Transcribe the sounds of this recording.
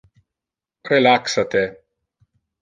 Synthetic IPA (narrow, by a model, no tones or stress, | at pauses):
ɾelaksat̪e